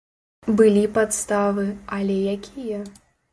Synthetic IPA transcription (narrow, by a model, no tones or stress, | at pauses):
bɨlʲipat̪st̪avɨɐlʲɛjakʲʰijɐ